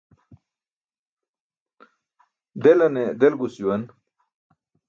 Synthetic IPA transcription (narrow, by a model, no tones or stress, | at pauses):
d̪elɐned̪elɡusuwɐn